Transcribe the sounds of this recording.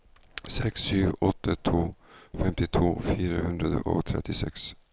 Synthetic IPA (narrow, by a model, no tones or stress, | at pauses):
sɛksːyːvɔt̪ʰːət̪ʰoːfɛmt̪ɪt̪ʰvoːfiːɾahɵnd̪ɾad̪ə̰ʔɔ̰kt̪ʰɾɛ̰t̪ːɪsɛks